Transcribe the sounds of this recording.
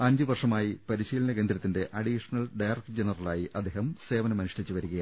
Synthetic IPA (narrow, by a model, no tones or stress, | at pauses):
ɐɲd͡ʑɨʋɐrʂɐmaːjipɐɾiɕiːlɐnɐɡend̪ɾɐt̪ːinde̞ʔɐɖiʂɐnɐlɖɐjrɐk̚ʈd͡ʑenɐrɐlaːjiʔɐd̪ʱːeːɦɐmse̞ːʋɐnɐmɐnuʂɐʈit͡ɕːuʋɐɾuɣɐja